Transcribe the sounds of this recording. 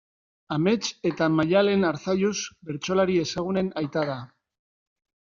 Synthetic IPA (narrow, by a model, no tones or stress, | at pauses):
ame̞t͡ʃe̞t̪amaʎale̞naɾθajuzbe̞ɾt͡ʃo̞laɾie̞saɣ̞une̞najt̪aða